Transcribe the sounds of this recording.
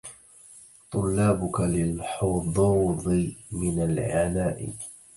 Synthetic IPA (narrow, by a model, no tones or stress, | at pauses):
t̪ˤʊlːaːbʊkalɪlħʊd̪ˤɑːðˤɨmɪnalʕanaːʔɪ̰